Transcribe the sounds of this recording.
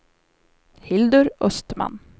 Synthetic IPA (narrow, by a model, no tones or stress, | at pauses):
hɪld̪ɵɾœst̪ma̰n